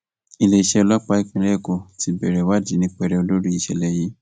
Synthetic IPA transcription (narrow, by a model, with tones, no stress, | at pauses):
i˧le˧i˧˨ʃɛ˧ɔ˧lɔ˦k͡pa˧˦i˦k͡pĩ˧ɾɛ˦˨ɡo˨ti˧bɛ˨ɾɛ˨wa˦˨d͡ʒi˦nĩ˦k͡pɛ˧ɾɛ˧o˧lo˦ɾi˦i˧˨ʃɛ˧˨lɛ˧ji˨˦